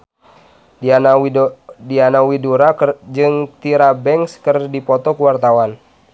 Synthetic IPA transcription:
dianawiduɾad͡ʒɨŋt̪iɾabɛŋskɨrdipɔt̪ɔkuwart̪awan

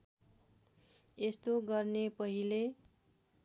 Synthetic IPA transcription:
est̪oɡʌrnepʌɦile

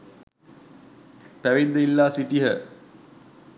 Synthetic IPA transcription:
pæʋind̪əilːaːsiʈiɦə

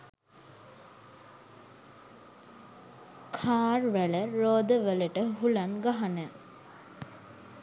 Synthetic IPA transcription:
kʰaːrʋæɭəɾoːd̪əʋələʈəɦulanɡaɦanə

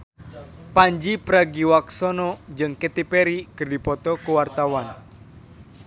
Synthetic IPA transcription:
paɲd͡ʒipɾaɡiwaksɔnɔd͡ʒɨŋket̪ipɛɾikɨrdipɔt̪ɔkuwart̪awan

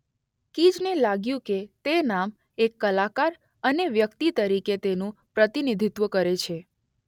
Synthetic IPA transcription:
kid͡ʒnelaɡjũket̪enam | ekːəlakaɾ | əneʋjəkt̪it̪əɾiket̪enũpɾət̪inid̪ʱit̪ʋəkəɾet͡ʃʰe

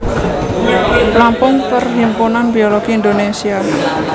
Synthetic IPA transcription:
plampʊŋt̪ərɦimpunanb̥ioloɡ̥iːnd̪onesia

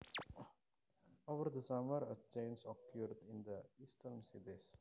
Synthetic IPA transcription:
oʋəɾd̪əsaməɾət͡ʃẽːnsɔkjuːɾɖɪ̃nd̪əisʈəɾnsid̪is

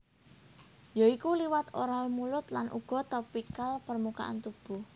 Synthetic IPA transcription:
joikuliwat̪oɾalmulʊt̪lanʔṵɡ̥ɔ̤t̪ɔpikalpərmuka̰ʔa̰nt̪ub̥ṳh

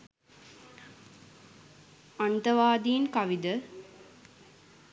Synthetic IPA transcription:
ɐnt̪ɐʋaːd̪iːnkɐʋid̪ə

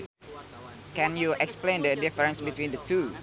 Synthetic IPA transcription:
kɛ̃njuʔɛksplẽndədifəɾə̃nsbit̪wĩndət̪ʰu

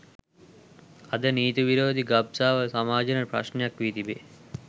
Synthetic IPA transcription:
ɐd̪ɐniːt̪uʋiɾoːd̪ʱiɡɐb̚saːʋɐsɐmaːd͡ʒɐnɐpɾɐ̰ʃnjakʋiːt̪ibe

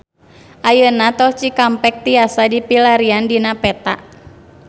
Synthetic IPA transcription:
ʔajənat̪ɔt͡ʃikampɛk̚t̪iasadipilaɾiandinapɛt̪a̰ʔ

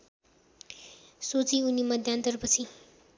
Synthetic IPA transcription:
sot͡siʊnːimɐd̪ʱjãnt̪əɾbəsʰĩ

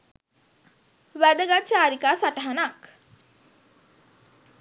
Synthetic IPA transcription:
ʋæd̪əɡat͡ʃaːɾikaːsaʈəɦanak

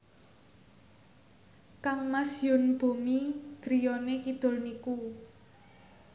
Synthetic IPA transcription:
kaŋmasjʊnb̥o̤miɡ̥ɾijɔnekid̪̥ʊ̤lniku

